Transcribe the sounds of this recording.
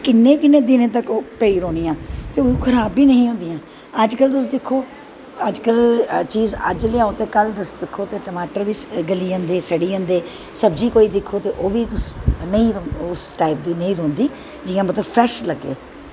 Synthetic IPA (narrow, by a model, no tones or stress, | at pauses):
kɪnːẽːkɪnːeːd̪ɪnẽːt̪̬əkoːpeːiːɾoːniːjãːt̪eːʊukʰəɾaːbiːnəɦĩːɦõːnd̪ijãː | əd͡ʒkəlt̪ʊs̬d̪ɪkʰːoː | əd͡ʒkəlt͡ʃiːzə̰d͡ʒleaːot̪eːkəld̪əsd̪ɪkʰːoːt̪eːʈəmaːʈəɾʋiːsɡəliːə̃ːnd̪eːsəɽiːə̃ːnd̪eː | səbd͡ʒiːkoːiːd̪ɪkʰːoːt̪eːʔoːʋiːt̪ʊsnəĩːɾʊsʈaːɪp̚d̪iːnəĩːɾõːnd̪iː | d͡ʒɪːãːmət̪ləbpʰɾɛːʃləɡːḛː